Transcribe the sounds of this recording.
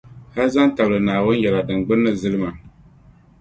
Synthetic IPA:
ha˦za˦n˦ta˨blɨ˨naː˨wʊ˦n˦jɛ˨la˨dɨ˨ŋ͡mɡ͡bɨ˦nːɨ˦zɨ˦lɨ˦ma˨

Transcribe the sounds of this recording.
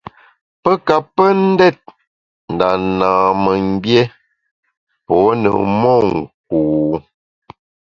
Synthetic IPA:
pə˦ka˨pːə˦n̩˦dɛ˦˨t̚ | n̩˨da˨na˨mə˨m˦bje˦ | pɔ˨˦nə̰˨mɔ˦˨ŋ̩˨k̚uː˨

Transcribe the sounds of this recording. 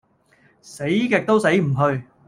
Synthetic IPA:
se˨˥jkɛ˧k̚t̪o˥wse˨˥jm̩˨˩ɦɵ˧ɥ

